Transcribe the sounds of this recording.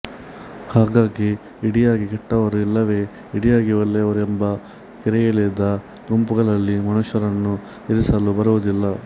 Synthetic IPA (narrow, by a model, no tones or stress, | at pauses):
haːɡaːɡiː | ɽijaːɡikɛʈːɐʋɐɾuilːɐʋe̞ː | iɽijaːɡiʋɐlːɛɐʋɐɾuembɐ | kiɾɛjɐlid̪ɐ | ɡumpuɡɐɭɐlːimɐnuʃɐɾɐnːu | iɾisɐlubɐɾuʋud̪ilːɐ